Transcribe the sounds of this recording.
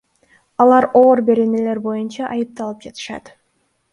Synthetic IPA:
ɑlˠɑɾo̞ːɾbe̞ɾe̞ne̞le̞ɾbo̞junt͡ʃɑʔɑjɯp̚t̪ɑlˠɯp̚d͡ʒɑt̪ɯ̥ʃɑ̰t̪

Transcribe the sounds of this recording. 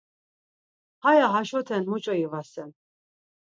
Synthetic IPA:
hajaɦaʃɔt̪ʰɛnmut͡ʃʼɔivasɛn

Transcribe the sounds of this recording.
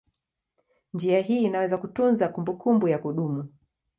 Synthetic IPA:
nd͡ʒiaɦiːnawɛzakutunzakumbukʰumbujakuɗumu

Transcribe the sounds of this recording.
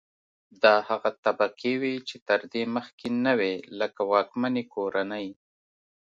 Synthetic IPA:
d̪ɑhaɣat̪abakewit͡ʃet̪əɾd̪eməxkenaweləkawɑkmanekoɾanəj

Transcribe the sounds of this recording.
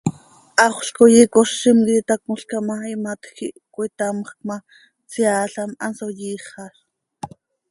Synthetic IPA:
ʔɑχʷɬkojikoʃːimkit̪ak̚muɬkamaimat̪xiʔkwit̪amχk̚ma | t͡siaːɬamɑnsojiːχɑɬ

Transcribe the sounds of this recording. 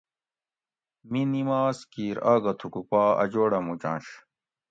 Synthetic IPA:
minimaːskiːɾaːɡɐt̪ʰukupaːɐ̰d͡ʑoːɽɐmud͡ʑã̰ːnɕ

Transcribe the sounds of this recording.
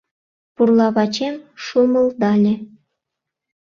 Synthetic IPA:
purlˠɑβɑt͡ɕemʃumə̆lˠd̪ɑlʲĕ

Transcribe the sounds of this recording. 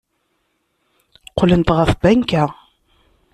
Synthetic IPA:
qolənt̪ʁəfbæŋkæ

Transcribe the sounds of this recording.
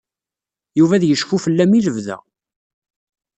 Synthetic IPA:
juvæðjəʃfufəlːæmiləvðæ̰

